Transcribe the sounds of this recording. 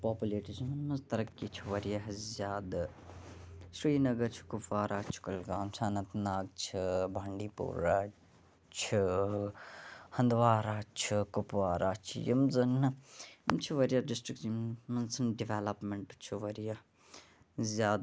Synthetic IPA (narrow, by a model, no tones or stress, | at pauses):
paːpuleːʈit͡ʃʰimɐnːɐzt̪ɐɾɐkkːit͡ʃʰiʋɐɾjaɦzʲjaːd̪ | sɾiːnɐɡɐɾt͡ʃʰi̥kupʋaːɾʔaːt͡ʃʰi̥kɐlɡaːmsaːnɐt̪naːɡ̚t͡ʃʰibʱaɳɖiːpṵːɾaː | t͡ʃʰi | hɐnd̪ʋaːɾaːt͡ʃʰikʊpʋaːɾaːt͡ʃʰḭjɐ̰mzɐn | mt͡ʃʰiʋɐɾjaɖɪsʈɾik̚immɐnsɐnɖiʋeːlɐpmeɳʈt͡ʃʰiʋɐɾja | zʲjaːd̪